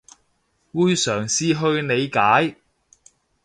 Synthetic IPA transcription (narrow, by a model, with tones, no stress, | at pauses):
wuː˧jsœː˨˩ŋsiː˨˧ɦɵ˧ɥne˨˧jkaː˨˥j